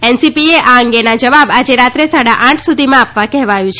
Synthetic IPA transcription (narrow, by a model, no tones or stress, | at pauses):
ɛnsipieʔaəŋɡenad͡ʒəʋabad͡ʒeɾat̪ɾesaɽaʔãʈʰsud̪ʱimãapʋakɛɦʋajũt͡ʃʰ